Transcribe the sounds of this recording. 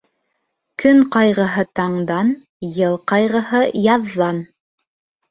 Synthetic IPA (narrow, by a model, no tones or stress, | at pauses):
kɵŋqɑjʁɤ̆ɦɤt̪ɑɴd̪ɑn | jɤlˠqɑjʁɤ̆hɤjɑðːɑn